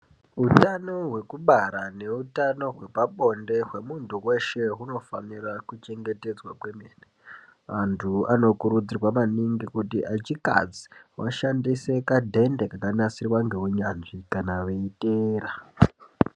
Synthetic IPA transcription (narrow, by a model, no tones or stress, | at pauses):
ɦutano̞ɦwe̞kuɓaɾane̞utano̞ɦwe̞paɓo̞nde̞ɦwe̞muntuwe̞ʃe̞ɦuno̞fanirakut͡ʃe̞ŋɡe̞te̞d͡zwakwe̞mene | ʋantʰuano̞kuɾud͡zirwamaniŋɡikutiʔat͡ʃika̰d͡zi̥wʔa̰ʃandise̞kadʱe̞nde̞kakanasirwaŋɡe̞ɦuɲanʐikanaʋeiteːra